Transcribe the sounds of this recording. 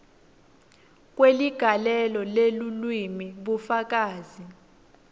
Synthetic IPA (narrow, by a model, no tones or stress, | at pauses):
k̬ʼweliɡ̥ʱalɛlɔlelulwimiɓufak̬ʼaːzi